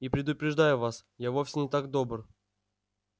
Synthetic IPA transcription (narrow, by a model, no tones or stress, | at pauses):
ipɾʲɪd̪ʊpɾʲɪʐd̪ajʊvas | javo̞fʲsʲɪnʲɪt̪aɡ̚d̪o̞br